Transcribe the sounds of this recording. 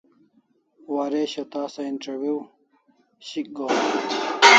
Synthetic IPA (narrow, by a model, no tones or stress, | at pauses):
waːɾeːɕɐt̪aːsɐinʈɐɾwjuː | ɕik̚ɡo